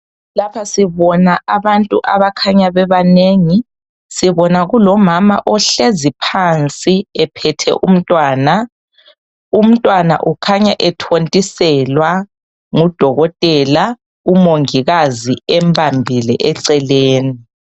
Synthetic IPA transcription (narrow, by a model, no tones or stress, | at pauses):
lapʰasiβɔnaaβantʼuʔaβakʰaɲaβɛβaneŋi | siβɔnaɣulɔmama̰ʔɔɬezipʰant͡sʼiɛpʰɛtʰɛ̰ʔṵm̩tʼwaːna | um̩tʼwana̰ʔukʰaɲaʔɛtʰontʼisɛlwa | ŋud̥ʱɔɣɔtʼɛla | umoŋiɣaziɛmbʱambʱilɛ̰ʔɛǀɛleːni